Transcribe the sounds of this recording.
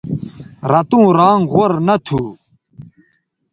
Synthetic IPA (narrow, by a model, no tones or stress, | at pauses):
ɾɐt̪ũːɾaːŋʁoɾnɐt̪ʰuː